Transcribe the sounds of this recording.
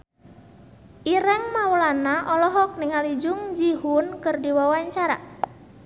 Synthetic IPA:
ʔiɾɛŋmawəlanaʔɔlɔɦɔk̚niŋalid͡ʒʊŋd͡ʒiɦunkɨrdiwawaɲt͡ʃaɾa̰

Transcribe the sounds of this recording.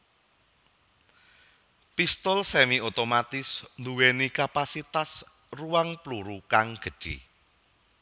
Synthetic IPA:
pist̪ɔlsɛmiot̪omat̪ɪsnd̪uwenikapasit̪as | ruwaŋpluɾukaŋɡ̥ə̤d̥ʒ̥ḭ

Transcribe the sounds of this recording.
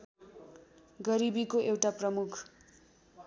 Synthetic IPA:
ɡʌɾibikoʔewʈaprʌmukʰ

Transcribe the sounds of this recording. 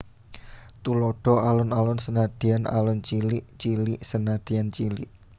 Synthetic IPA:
t̪ulɔɖ̥ɔ̤alɔnalʊnsənad̪̥i̤ana̰lɔnt͡ʃiliʔt͡ʃiliʔsənad̥i̤jant͡ʃilḭʔ

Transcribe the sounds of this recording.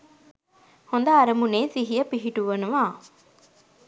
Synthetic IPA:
hond̪ɐːɾɐmuneːsiɦijəpiɦiʈuʋɐnuʋaː

